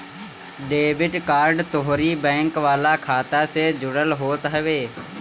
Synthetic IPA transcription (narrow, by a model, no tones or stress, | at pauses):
ɖeːbɪʈkaːɾɖt̪oɦɾiːbɛ̃ːŋkʋaːlaːkʰaːt̪aːseːd͡ʒʊɽəlɦoːt̪ɦɛʋeː